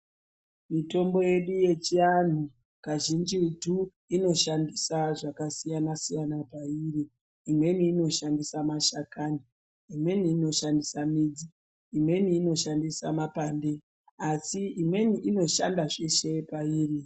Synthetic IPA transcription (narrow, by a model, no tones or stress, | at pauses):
mito̞mbo̞je̞ɗuje̞t͡ʃian̤u | kaʒind͡ʒitu | ino̞ʃandisaʐakasijanasijanapairiː | mwe̞niːno̞ʃandisamaʃakaniː | mwe̞niːno̞ʃandisamid͡ziː | mwe̞nːno̞ʃandisamapande̞ | asiimwe̞niʔino̞ʃa̰ndaʐeʃe̞paiːri